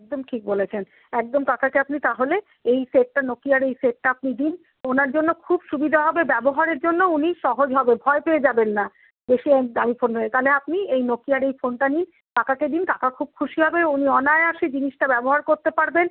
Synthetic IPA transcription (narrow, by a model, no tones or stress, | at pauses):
k̚d̪omʈʰik̚bolet͡ɕʰen | ɛk̚d̪omt̪ak̪ʰakeapnit̪aɦole | ejseʈ̚ʈanokiaɾejseʈ̚ʈaap̚nid̪in | onaɾd͡ʑonːokʰubʃubid̪ʱaɦɔbebɛboɦaɾeɾd͡ʑonːouniʃɔɦod͡ʑɦɔbebʱɔepeed͡ʑabenːa | beʃieamifonɾoet̪aleap̚niejnokiaɾejfonʈanin | t̪akaked̪int̪akakʰub̚kʰuʃiɦɔbeuniɔnaeaʃed͡ʑiniʃʈabɛboɦaɾkoɾt̪epaɾben